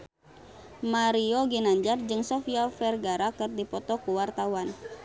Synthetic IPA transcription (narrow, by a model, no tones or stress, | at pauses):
maɾioɡinaɲd͡ʒard͡ʒɨŋsɔfiafɛrɡaɾakɨrdipɔt̪ɔkuwart̪awan